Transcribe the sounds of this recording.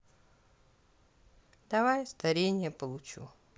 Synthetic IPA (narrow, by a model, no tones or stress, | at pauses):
d̪̥ɐvajst̪ɐɾʲenʲɪjəpəlˠʊt͡ɕṵ